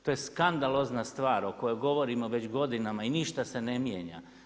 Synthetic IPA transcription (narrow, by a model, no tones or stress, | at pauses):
t̪oːjeskand̪alˠo̞znast̪ʋaːɾo̞ko̞joɡo̞ʋo̞ɾimoʋe̞t͡ɕɡo̞d̪inamainiʃt̪ase̞nemjeːɲa̰